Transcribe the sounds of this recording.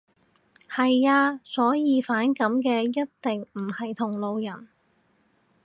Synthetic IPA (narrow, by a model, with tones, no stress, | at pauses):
hɐ˨jaː˧sɔː˨˥jiː˨˧faː˨˥nkɐ˨˥mkɛː˧jɐ˥t̚t̪ɪ˨ŋm̩˨˩hɐ˨jt̪ʰʊ˨˩ŋlo˨˧wjɐ˨˩n